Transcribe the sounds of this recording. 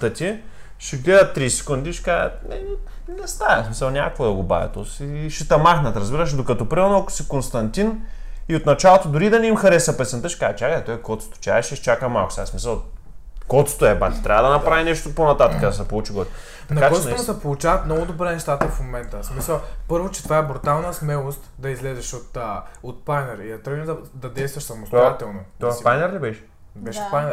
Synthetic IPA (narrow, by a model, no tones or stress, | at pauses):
t̪ət̪ʲi | ʃɛɡlɛd̪ɐt̪ːɾisɛ̥kund̪iʃɛ̥kaə̰nɛ | nɛst̪aɛsmisəlˠnʲa̰kovod̪ɐɡoba̰vʲɛ̰t̪osiʃɛt̪ɐmaxnɐt̪ɾɐzbiɾəʃd̪okɐt̪ɔpɾimɛɾnoɐkʊ̥sikonst̪ɐnt̪iniot̪nɐt͡ʃalˠot̪od̪ʊɾid̪ɐnɛimxɐɾɛsɐpɛt̪sɛnt̪əʃɛ̥kazɛt͡ʃakəɛt̪ɔjɛkɔt̪so̥t̪o̥t͡ʃʲa̰ɛʃɛt͡ʃakəma̰lˠkʊ̥sʲaasmisɐlˠ | kɔt̪so̥t̪oɛbat̪i̥t̪ɾʲavəd̪ɐnɐpɾavinɛʃt̪oponɐt̪at̪əkəd̪ɐsɛpolˠut͡ʃiɡɔsʲ | t̪ɐnɐkat͡ʃɔsosɛpolˠut͡ʃaɐt̪mnɔɡʊd̪obɾɛnɛʃt̪at̪ɐfmomɛnt̪əsmisəlˠpɤɾvot͡ʃɛ̥t̪vaɛbɾut̪alˠnəsmɛlˠost̪d̪ɐizlɛzɛʃot̪ːot̪̚pajnɛɾid̪ɐt̪ɾɛimd̪ɐd̪ɐd̪ɛjst̪vɐʃsɐmosat̪ɛlˠnot̪ɔpajnɛɾlɛbɛʃ | bɛʃpan